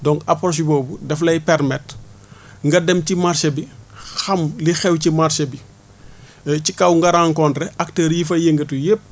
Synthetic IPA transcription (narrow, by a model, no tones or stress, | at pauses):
dɔŋkɐpɔs̬ibɔːbudɛflɐjpɛɾmɛt | ŋɡɐdɛmcimarsɐbixɐmlixɛwcimaɾsɐbi | cikɐwŋɡɐɾaːŋkɔntɾɛʔɐk̚təːɾjifɐjeŋɡɐtujep̚